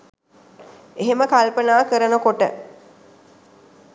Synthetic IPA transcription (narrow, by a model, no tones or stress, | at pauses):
eɦeməkalpənaːkəɾənəkoʈə̰